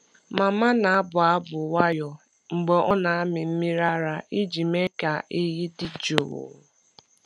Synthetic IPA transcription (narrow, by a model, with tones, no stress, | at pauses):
ma˨ma˦na˨a˦bʊ˨a˦bʊ˨wa˦jɔ˨ | ŋ͡m̩˨ɡ͡be˨ʔɔ˦na˨a˦mɪ˨m̩˦mi˦ɾa˦ɾa˨ʔi˦d͡ʒi˨me˦ka˨ʔe˦ɦi˦dɪ˦d͡ʒo˨ɣo̰˨